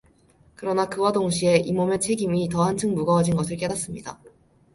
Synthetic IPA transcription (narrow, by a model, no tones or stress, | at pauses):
kɯɾʌnakɯwadoŋɕʰie̞ʔimome̞t͡ɕʰe̞ɡimitʌɦant͡ɕʰɯŋmuɡʌːd͡ʑinɡʌsʰɯɭk͈e̞dat̚s͈ɯmɲida̰